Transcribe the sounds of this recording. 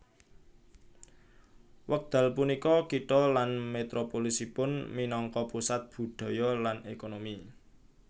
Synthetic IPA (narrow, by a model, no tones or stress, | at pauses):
wək̚d̪̥ä̤lpunikɔkiʈ̪ɔlanmet̪ɾopolisipʊnminɔŋkɔpusat̪̚b̥ṳd̪̥ɔ̤jɔlanekonomi